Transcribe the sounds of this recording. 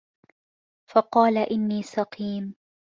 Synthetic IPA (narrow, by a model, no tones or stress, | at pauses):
fɑqɑːlaʔɪnːiːsɑqiːm